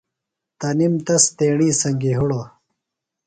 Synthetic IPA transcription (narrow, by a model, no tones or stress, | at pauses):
t̪ɐnimt̪ɐst̪eːɳiːsɐŋɡiɦuɽo